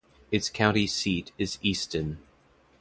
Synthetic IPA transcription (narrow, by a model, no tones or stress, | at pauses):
ɨtskʰãʊ̃ntisiɾɪzistən